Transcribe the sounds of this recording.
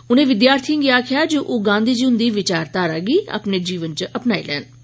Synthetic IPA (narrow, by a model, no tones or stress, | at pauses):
ʊnẽːʋɪd̪jaːɾt̪ʰiə̃ŋɡiːaːkʰɪjaːd͡ʒoːʔoːɡãːnd̪iːd͡ʒʊnd̪iːʋɪt͡ʃaːɾt̪aːɾaːɡiːə̰pneːd͡ʒiːʋənt͡ʃəʔəpnaːḭlɛ̰ːn